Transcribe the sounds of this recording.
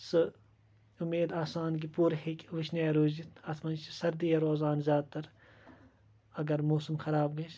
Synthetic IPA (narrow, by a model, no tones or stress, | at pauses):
sɨ | ʊmeːd̪aːsaːnk̬ipuːɾhikʲʋɨʃneːɾuːzit̪ʰɐt̪ʰmɐnt͡ʃʰisɐɾd̪ijɐɾoːzaːnzʲjaːd̪̚t̪ɐɾ | ɐɡɐɾmoːsɐmxɐɾaːb̚ɡɐʃ